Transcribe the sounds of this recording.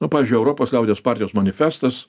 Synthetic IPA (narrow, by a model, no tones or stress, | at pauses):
nʊpɑːʋʲɪzʲd͡ʒʲʊɪɛʊɾoːpoːslʲɛʊd̪ʲejoːspɑːɾʲtʲɪjoːsmɐnʲɪfʲæːst̪ɐs